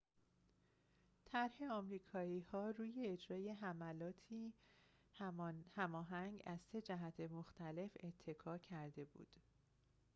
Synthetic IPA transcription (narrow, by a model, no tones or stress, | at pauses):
t̪ʰæɾhe̞ɒːmɾiːkʰɒːiːhɒːruːje̞ːd͡ʒɾɒːje̞ɦæmælɒːt̪ʰiː | hæmɒːɦæŋɡæz̥se̞d͡ʒæɦæt̪ʰemoxt̪ʰæle̞fe̞t̪ʰːe̞kʰɒːcʰæɾd̪e̞bṵːd̪̥